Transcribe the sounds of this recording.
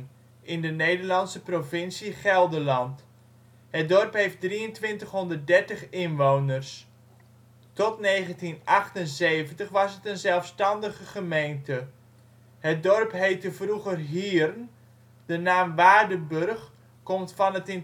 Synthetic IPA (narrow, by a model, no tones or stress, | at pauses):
ɪndənejdərlɑnsəprovɪnsiχɛlˠdəlɑnt | hət̚dɔrpɦejft̚driəntʋɪntəχɦɔndərt̚dɛɹtəχɪnʋoːnərs | tɔtneːχəntinʔɑχtənzeːvəntəχʋɑsɦətənzɛlˠfstɑndəɣəχəmejntə | hət̚dɔrpɦejtəvruχərɦiərn | d̥ənaːmʋaːdəbørχ | kɔmtfɑnətɪn